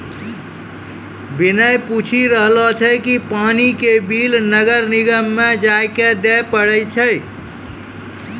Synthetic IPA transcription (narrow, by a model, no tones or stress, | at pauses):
binəjput͡ʃʰiɾəɦlɔt͡ʃʰəjkipanikebilnəɡəɾniɡəmːed͡ʒaeked̪ɛpəɽəjt͡ʃʰəj